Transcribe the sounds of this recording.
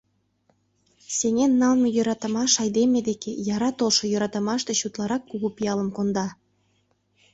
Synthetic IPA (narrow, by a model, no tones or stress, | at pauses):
seŋenːɑlmejøɾɑt̪ɤ̆mɑʃɑjd̪emed̪ekejɑɾɑt̪olʃŏjøɾɑt̪ə̆mɑʃt̪eɕut̪lɑɾɑkːuɣupijɑləmkond̪ɑ